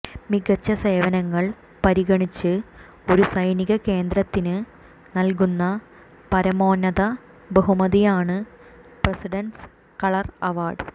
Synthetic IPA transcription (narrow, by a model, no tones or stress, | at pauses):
miɡɐt͡ɕːɐse̞ːʋɐnɐŋːɐɭ | pɐɾiɣɐɳit͡ɕːɨ | o̞ɾusɐjniɣɐke̞ːnd̪ɾɐt̪ːinɨ | nɐlkunːɐ | pɐɾɐmo̞ːnːɐðɐ | bɐɦumɐðijaːɳɨprɐsiɖɐns | kɐɭɐrɐʋaːɖ